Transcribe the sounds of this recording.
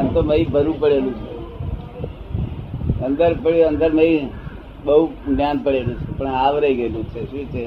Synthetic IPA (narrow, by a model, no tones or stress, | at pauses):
ant̪oməibʱəɾũpəɽelũt͡ʃʰe | ənd̪əɾpəɽənd̪əɾməi | ɓəɦumjanpəɽelũt͡ʃʰepəɳaʋɾəiɡelũt͡ʃʰeʃũt͡ʃʰe